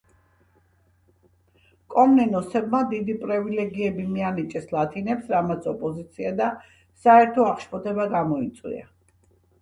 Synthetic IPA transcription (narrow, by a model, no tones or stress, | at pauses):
kʼɔmnɛnɔsɛbmad̪id̪ipʼɾɛvilɛɡiɛbimianit͡ʃʼɛslˠat̪ʰinɛpsɾamat̪sʰɔpʼɔzit̪sʰiad̪a | saɛɾt̪ʰɔaχʃpʰɔt̪ʰɛbaɡamɔit̪sʼwḭa̰